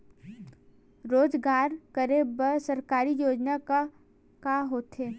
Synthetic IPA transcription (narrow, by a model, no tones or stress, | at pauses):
ɾoːd͡ʒɡaːɾkəɾebəɾsɐɾkaːɾijoːd͡ʒnaka | kaːɦoːt̪ɦeː